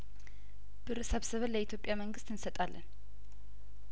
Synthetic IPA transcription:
b̥ɨɾɨsəβsəβəlːəit̪ʰjo̞pʼjaməŋɡɨst̪ɨnsət̪ʼalːʔə̰n

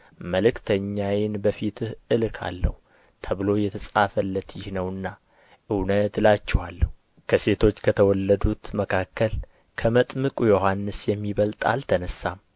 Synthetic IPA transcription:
məlɨkt̪ʰəɲːajɪnbəfit̪ʰɨhʔɨlkʰa̰lːə̰hu | t̪ʰəβɨlo̞jɛt̪ʰəsʼafəlːət̪jɪhnəwɨnːa | ʔɨwnət̪lat͡ʃːɛwalːəhu | kʰəse̞t̪ʰo̞t͡ʃːkʰət̪ʰəwɔlːəd̪ut̪məkʰakːəl | kʰəmət̪ʼmɨkʼujo̞hanːɨsjɛmːiβəlt̪ʼa̰lt̪ʰənəsːam

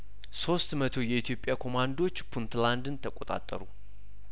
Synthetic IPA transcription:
so̞st̪mət̪ʰo̞jɛit̪ʰjo̞pʼːjakʰo̞mand̪o̞t͡ʃːpʰunt̪land̪ɨnt̪ʰəkʷʼo̞t̪ʼa̰t̪ʼːə̰ɾu

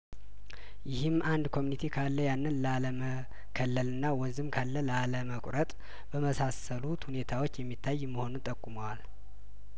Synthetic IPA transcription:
jɪhɨmːʔand̪kʰo̞munit̪ʰikʰalːəjanːɨnlaləmə | kʰəlːəlɨnːawɔnzɨmkʰalːəlaləməkʷʼɾət̪ʼ | b̥əməsasəlut̪hune̞t̪ʰawo̞t͡ʃːjɛmːit̪ʰːajːmːəho̞nunt̪ʼəkʼːuməwal

